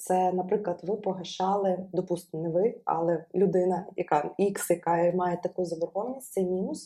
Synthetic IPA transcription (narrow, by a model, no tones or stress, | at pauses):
t̪sɛnɐpɾɪklˠɐd̪ʋɪpɔɦɐʃɑlˠɪd̪ɔpust̪ɪmnɛʋɪɐ̰lˠɛlʲʊd̪ɪnɐjɐkɑiksjɐkɑmɑjet̪ɐkujʊzɐbɔrxɔʋnʲisʲsɛmʲinʊs